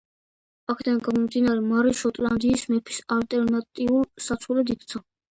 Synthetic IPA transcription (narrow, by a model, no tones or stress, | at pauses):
akʰɛd̪anɡamɔmd̪inaɾɛmaɾiʃɔt̪ʼland̪iːsmɛpʰi̥salt̪ʼɛɾnat̪ʼiuɾsat̪sʰχulɛd̪ikʰt̪sʰa